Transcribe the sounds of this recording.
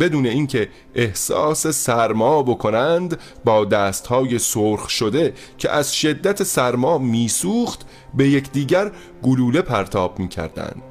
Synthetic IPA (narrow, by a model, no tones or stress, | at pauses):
be̞d̪uːne̞iːŋcʰe̞ | ʔːhsɒ̰ːse̞sæɾmɒːbo̞kʰo̞nænd̪ | bɒːd̪æːst̪hɒːje̞soɾxʃo̞d̪e̞ | cʰḛʔæzʃe̞d̪ːæt̪ʰesæɾmɒːmiːsuːχt̪ | be̞je̞kʰd̪iːɟæɾ | ɡoluːle̞pʰæɾt̪ʰɒːb̥̚miːcʰæ̰ɾd̪æ̰nd̪̥